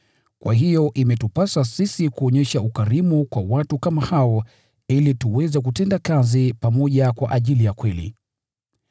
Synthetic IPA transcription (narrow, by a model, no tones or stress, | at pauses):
kwa̰ɦijɔʔimɛtupasasisikuɔɲɛʃaukaɾimukwawatukamahaɔ | ilituwɛzɛk̬utɛndakazipamɔʄakwa̰ʔaʄilijakwɛlḭ